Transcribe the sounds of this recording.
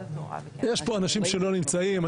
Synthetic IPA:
jeʃpo̞anaʃimʃe̞lo̞nimt͡saima

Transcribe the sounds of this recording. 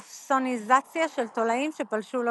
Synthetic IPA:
fsonizat͡sjaʃelt̪o̞laimʃe̞palʃul

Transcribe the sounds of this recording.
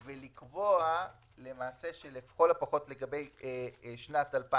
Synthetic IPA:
velikboa | le̞maːse̞ʃelefχolapaχo̞tle̞ɡabe̞j | ʃnatalpa

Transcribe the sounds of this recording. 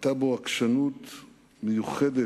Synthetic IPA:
t̪aboakʃanut̪ | mejuχed̪e

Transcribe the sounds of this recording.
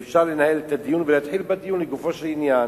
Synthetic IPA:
fʃaːʁlenahelet̪ad̪ijunvelat̪ħilbad̪ijuːnliɡufoʃalɪnjan

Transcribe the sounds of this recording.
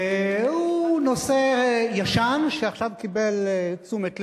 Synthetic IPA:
huno̞sejaʃanʃeaχʃavkibelt͡sumetl

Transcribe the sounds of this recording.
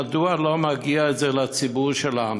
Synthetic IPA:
ad̪ualomaɡiaetzelat͡sibuʁʃela

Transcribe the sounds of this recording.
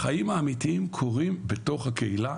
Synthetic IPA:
χajimhaːmit̪iimkʰo̞ʁimbe̞to̞χhakeila

